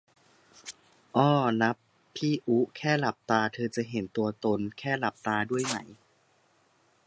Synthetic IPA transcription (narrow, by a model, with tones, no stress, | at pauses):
ʔɔː˥˩na˦˥pʰː | iː˥˩ʔu˦˥kʰɛː˥˩la˨˩p̚t̪aː˧t̪ʰɤː˧t͡ɕa˨˩ʔɦe˨˩˦nt̪u˧ɐt̪o˧nkʰɛː˥˩la˨˩p̚t̪aː˧du˥˩əjma̰˦˥j